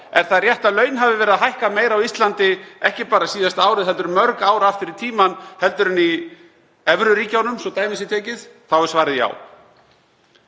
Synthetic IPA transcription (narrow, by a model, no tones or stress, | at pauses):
ɛɾ̥θaðrjɛht̪aðlœːɥnɦavɪvɛːɾɪðaɦajhkameːjɾawist̪lant̪ɪɛhcɪpaːɾasiːðast̪aːwɾɪðhɛlt̪ʏɾmœɾkaːwɾaft̪ɪɾɪɾt̪ʰiːmanhɛl̪t̪ʏɾɪni | ɛvɾʏɾiːcawnʏmsɔt̪aːjmɪsɪt̪ʰɛːcɪð̥θawɛɾsvaːɾɪðja̰ːw